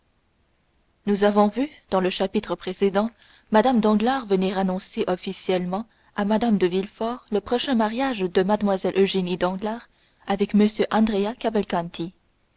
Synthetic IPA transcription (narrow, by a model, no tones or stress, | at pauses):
nuzavɔ̃vyd̪̥ɑ̃ləʃapit̪χəpχesed̪ɑ̃ | mad̪amd̪ɑ̃ɡlaʁvəniʁanɔ̃seʔɔfisjɛlmɑ̃ | amad̪amd̪əvilfɔʁləpχɔʃɛ̃maʁjaʒd̪əmad̪mwazɛlʔøʒenid̪ɑ̃ɡlaːʁ | avɛkməsjøʔɑ̃d̪ʁeakavalkɑ̃nt̪i